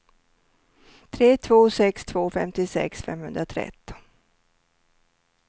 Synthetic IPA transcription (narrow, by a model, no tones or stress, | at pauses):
t̪ʰɾeːt̪ʰvoːsɛkst̪ʰv̥oːfɛ̰mt̪ɪsɛ̰ksfɛ̰mhɵnd̪ɾat̪ʰɾɛ̰t̪ːɪ̥